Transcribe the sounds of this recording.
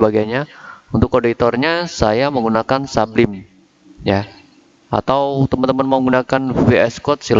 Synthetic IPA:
baɡajɲaunt̪ʊkːodit̪ɔrɲasajaməŋɡunakansablɪm | ja | a̰t̪awt̪əmənt̪əmənməŋɡunakanveɛskɔt̪̚sil

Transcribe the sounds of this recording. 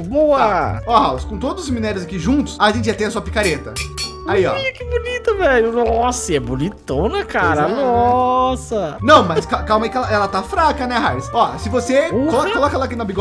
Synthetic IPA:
boɐɔhawskõt̪od̪ʊzʊs̬eminɛɾjʊzakiʒũnt̪ʊ̥saʒẽnt͡ʃ̪ɪʒat̪ẽɐsuɐpi̥kaɾet̪ɐ | aiɔ̰iʊkɪbunit̪ɐvɛʎʊnɔɔsɛbunit̪ɐ̃w̃nɛkaɾɐnɔsɐnɐ̃w̃mɐskakawmɐikɛlɐʔɛlɐt̪afɾakɐnɛɦajsɔsɪvosekolɔkolɔkɛlak̬inabiɡɔ

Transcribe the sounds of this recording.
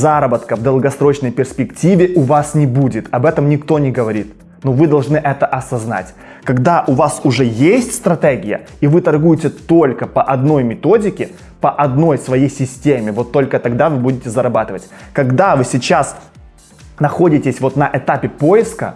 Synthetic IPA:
zaɾəbət̪kəvd̪əlˠɡɐsɾo̞t͡ɕnəjpʲɪrsʲpʲɪktʲivʲɪʔʊvasnʲɪbudʲɪt̪ɐbɛt̪əmnʲɪkt̪o̞nʲɪɡəvɐɾʲit̪ | novɨd̪ɐlˠʐnɨʔɛt̪əʔɐsɐzna̰tʲ | kɐɡd̪aʔʊvasʊʐɛjesʲtʲst̪ɾɐt̪eɡʲɪjə̰ | ivɨt̪ɐrɡujɪtʲɪt̪o̞lʲkəpəʔɐd̪no̞jmʲɪt̪o̞dʲɪkʲɪ | pəʔɐd̪no̞jsvɐjejsʲɪsʲtʲemʲɪvo̞t̪ːo̞lʲkət̪ɐɡd̪avɨbudʲɪtʲɪzɐɾɐbat̪ɨvətʲkɐɡd̪avɨsʲɪt͡ɕas | nɐxo̞dʲɪtʲɪsʲvo̞t̪nɐʔɛt̪apʲɪpo̞jɪskə̰

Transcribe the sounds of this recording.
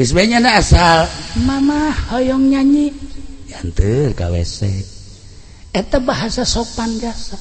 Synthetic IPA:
wis̬bɛɲanaːsalmamahːɔjɔŋɲaɲijant̪ərka̰wɛ̰sɛ | ɛt̪abaɦasasopand͡ʒasa

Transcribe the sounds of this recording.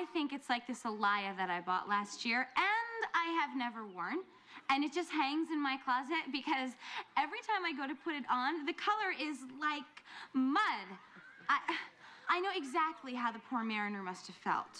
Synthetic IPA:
ɪθɪ̃ŋkɨtslaɪk̚ðɨsəlaɪɨðɨɾaɪbɔ̰ʔlæst̚jɪɹɨ̃naɪɨvnɛvə˞wɔɹn | ɨ̃nɨt̚d̥ʒ̥ʌst̚ɦæ̃ŋzɨ̃nmaɪkʰl̥ɑzɪt̚b̥ɨkʰʌzɛvɹitʰãɪ̃maɪɡoʊɾɨpʰʊɾɨɾn̩ðɨkʰʌlˠə˞ʔɪzlaɪkmʌd | aɪʔaɪnoʊɨɡzæk̚tʰˡliɦaʊðɨpʰuɹmɛɹɨnə˞mʌst̚hɨv̥fɛ̰lˠt̚

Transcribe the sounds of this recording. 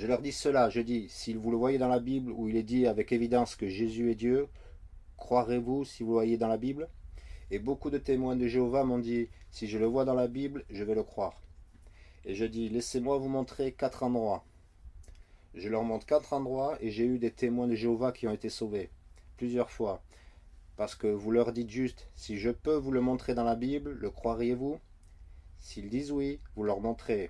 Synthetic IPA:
ʒəlœʁd̪isəlaʒəd̪isilvuləvwajed̪ɑ̃labibluilɛd̪iavɛkevid̪ɑ̃skəʒezyɛd̪jø | kχwaʁevusivuəvwajed̪ɑ̃labiblebokud̪ət̪emwɛ̃d̪əʒeovamɔ̃d̪isiʒələvwad̪ɑ̃labiblʒəvɛləkχwaːʁ | eʒəd̪ilesemwavumɔ̃t̪χekat̪χɑ̃d̪ʁwa | ʒəlœʁmɔ̃t̪χkat̪χɑ̃d̪ʁwaeʒeyd̪et̪emwɛ̃d̪əʒeovakʲʰiɔ̃et̪esoveplyzjœʁfwa | paʁsə̥kəvulœʁd̪it̪ʒyst̪siʒəpøvuləmɔ̃t̪χed̪ɑ̃labiblːəkχwaʁjevu | sild̪izwivulœʁmɔ̃t̪χe

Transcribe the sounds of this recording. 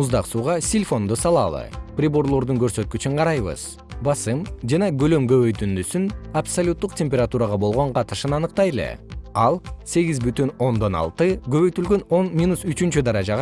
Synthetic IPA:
uzd̪ɑqsuːʁɑsʲilʲfo̞nd̪usɑlˠɑ̰lˠɯ̰prʲɪbo̞ɾlˠo̞ɾd̪uŋɡø̞ɾsø̞t̪̚kyt͡ʃyɴqʰɑɾɑjβɯ̰z̥ | bɑsɯmd͡ʒɑnɑɡø̞lømɡø̞βø̞jt̪ynd̪ysynapsolʲut̪ːuqtʲe̞mʲpʲeɾat̪uɾɑʁɑbo̞lˠʁo̞ɴqʰɑt̪ɯʃɯnɑnɯqt̪ɑjelˠḛɑlˠse̞ɡʲizbyt̪yno̞nd̪o̞nɑ̰lˠt̪ɯɡøβø̞jt̪ylɡøno̞nmʲinusyt͡ʃynt͡ʃyd̪ɑɾɑd͡ʒɑʁɑ

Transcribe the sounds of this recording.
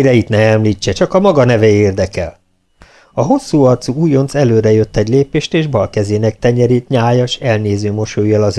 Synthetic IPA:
ɾɛit̪nɛɛmliːt͡ʃːɛt͡ʃɒkɒmɒɡɒnɛvɛeːrd̪ɛkɛl | ɒɦo̞sːuːɒrt̪suuːjo̞nt̪sɛløːɾɛjø̞t̪ːɛɟleːpeːʃt̪eːʒbɒlkɛzeːnɛk̚t̪ɛɲɛɾiːt̪ɲaːjɒʃɛlneːzøːmo̞ʃojːɒlɒz

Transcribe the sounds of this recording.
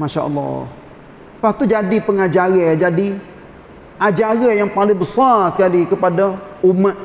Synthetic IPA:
maʃa̰ʔə̰lːɔ̰h | pat̪ud͡ʒadipəŋad͡ʒaɾad͡ʒadi | ʔad͡ʒaɡajaŋpalɪŋbəsarsə̥kalikəpadaumaʔ

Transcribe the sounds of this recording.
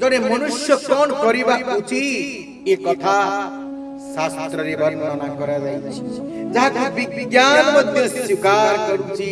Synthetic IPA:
d͡ʒɔɽ̃emɔnuʃjɔkɔnkɔɾibakut͡ʃʰi | ekɔt̪ʰa | sast̪ɾɔɾebɔɾnːɔnakɔɾad͡ʒajt͡ʃʰi̥ | d͡ʒaɦak̪ubiɡjanmɔd̪ʱjɔswikaɾkɔɾut͡ʃʰi

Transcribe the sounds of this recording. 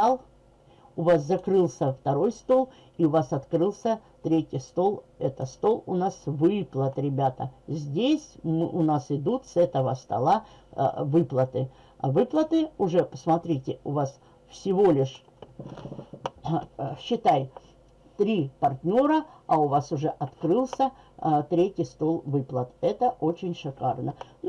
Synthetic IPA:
alˠ | ʊvaszɐkɾɨlˠsʲəft̪ɐɾo̞jst̪o̞lˠ | iʊvasɐt̪kɾɨlˠsʲət̪ɾʲetʲɪjst̪o̞lˠɛt̪əst̪o̞lˠʊ̰nasvɨplˠət̪ɾʲɪbʲat̪ə̰zʲdʲesʲmɨʔʊnasɪd̪ut̪sɛt̪əvəst̪ɐ̰lˠa̰ | vɨplˠət̪ɨ | vɨplˠət̪ɨʊʐɛpəsmɐt̪ɾʲitʲɪʊvas | fsʲɪvo̞lʲɪʂ | ɕːɪt̪aj | t̪ɾʲipɐrtʲnʲo̞ɾəɐʊvasʊʐɛʔɐt̪kɾɨlˠsʲə | t̪ɾʲetʲɪjst̪o̞lˠvɨplˠət̪ɛt̪əʔo̞t͡ɕɪnʲʂɨkarnən

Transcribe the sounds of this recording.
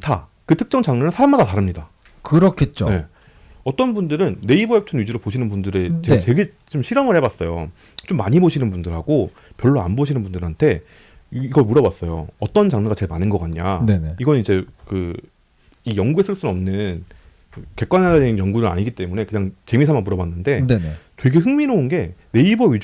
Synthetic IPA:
ta | kɯtʰɯ̥k̚t͡ɕ͈ʌŋt͡ɕaŋnɯnɯnsʰaɾamadataɾɯmɲida | kɯɾʌkʰet̚t͡ɕ͈one̞ | ʌt͈ʌnbundɯɾɯnːe̞iboep̚t͡ɕʰʌnjud͡ʑiɾopoɕʰinɯnbundɯɾet͡ɕeɡat͡ɕe̞ɡe | t͡ɕomɕʰiɾʌmɯɭhebwas͈ʌjo | t͡ɕomːaɲiboɕʰinɯnbundɯɭhaɡo | pjʌɭːoa̰nboɕʰinɯnbundɯɾhantʰe̞ | iɡʌɭmuɾʌbwas͈ʌjo̰ʌt͈ʌnt͡ɕaŋɲɯɡat͡ɕe̞ɭmanɯnɡʌk͈aɲaniɡʌnid͡ʑe̞kɯ | ijʌŋɡue̞sʰɯɭs͈unʌmnɯn | ɯke̞k͈wanɦadadenjʌŋɡuɾɯɭa̰ɲiɡit͈e̞mune̞kɯɲaŋt͡ɕe̞misʰamanmuɾʌbwanːɯnde̞netwe̞ɡe̞ɦɯŋmiɾoːnɡe̞ne̞ibʌɥid͡ʑ

